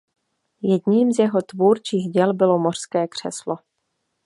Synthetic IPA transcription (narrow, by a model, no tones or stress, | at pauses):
jɛdɲiːmzjɛɦo̞t̪vuːɾt͡ʃiːɣɟɛlbɪlo̞mo̞r̥skɛːkr̝̥ɛslo